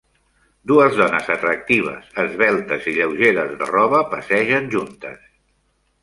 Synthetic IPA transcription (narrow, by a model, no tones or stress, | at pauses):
d̪uəzðɔnəzət̪ɾək̚t̪iβ̞ə̰səzβɛlˠt̪əziʎəwʒeɾəzðərɔβəpəsɛʒənʲʒunt̪ə̰s